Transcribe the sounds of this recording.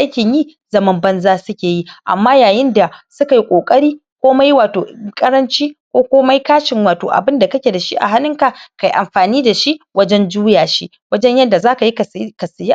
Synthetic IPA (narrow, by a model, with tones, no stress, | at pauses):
ʔa˦kʲɪ˨ɲjiː˦˨ | zɐ˦mɐ˦mbɐ˦nzaː˦sʊ˦kʲeː˨ji˦ʔa̰˨mːaː˦jaː˨jɪ˦nda˨sʊ˦ka˨ji˦kʷʼoː˨kʼɐ˦ɽiː˦kʷoː˦mɐ˦jwaː˨to̰ː˨kʼɐ˦ɾɐ˦nt͡ʃiː˦kʷoː˦kʷoː˦mɐ˦jkaː˦ʃɪ˨ŋwaː˨to̰ː˨ʔa̰˨bɪ˦nda˨kɐ˦kʲeː˨da˨ʃi˦ʔa̰˨ɦa˦nɪ˦ŋka˨ka˨jʔa˨mɸaː˨niː˦da˨ʃi˦ʔwʔɐ˦d͡ʒɛ˦nd͡ʒuː˦jaː˨ʃi˦ | wɐ˦d͡ʒɛ˦ɲjɐ˦dːa˨zaː˦ka˨ji˦ka˨˦ka˨sɪ˨ji˦